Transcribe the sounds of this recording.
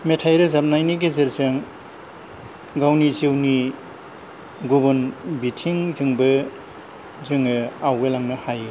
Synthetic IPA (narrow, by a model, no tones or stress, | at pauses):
metʰajɾɯzap̚najniɡezeɾzɯŋ | ɡawnizewni | ɡubunbitʰiŋzɯŋbɯ | zɯŋɯawɡelaŋnɯhaj